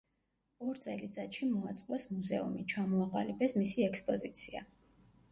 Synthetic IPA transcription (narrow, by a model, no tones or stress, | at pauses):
ɔɾt̪sʼɛlit̪sʼat̪ʃimɔat̪sʼqʼwɛsmuzɛṵmit͡ʃʰamɔaqʼa̰libɛsmisiɛkspʼɔzit̪sʰia̰